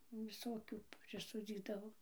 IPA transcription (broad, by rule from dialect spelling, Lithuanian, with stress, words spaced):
ʋʲɪˈsoːkʲuː pʲrʲɪˈsoːd͡zʲiːdɐʋoː